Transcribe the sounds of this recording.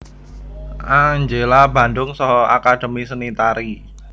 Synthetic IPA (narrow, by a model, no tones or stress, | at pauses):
ʔaŋɲd͡ʒelaba̤ndʊŋsɔɦɔakad̥ə̤misənit̪aɾi